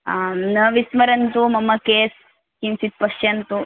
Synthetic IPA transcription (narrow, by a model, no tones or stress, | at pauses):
nɐʋismɐɾɐnt̪umɐmːɐkeːs | kinsit̪̚pɐʂjɐnt̪u